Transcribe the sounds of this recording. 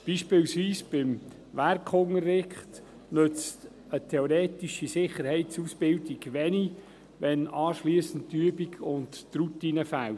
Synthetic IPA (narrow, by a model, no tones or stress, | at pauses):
b̥iːʃpɪːlsʋiːsb̥ɪm | ʋæɾkχʊŋərːɪχt | nɵt͡st | ətʰɛɔɾeːtiʃisɪχəɾhɛɪtsuːsb̥ɪldiɡʋɛni | ʋɛnɑːʃliəsən̩ttːyːəbikʰʊntːɾutiːnəfæl